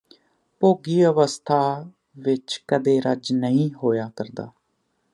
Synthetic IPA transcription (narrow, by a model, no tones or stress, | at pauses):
poːɡiːəʋəst̪ʰaː | ʋɪt͡ʃkəd̪eːɾəd͡ʒnəĩːɦoːjaːkəɾd̪a̰ː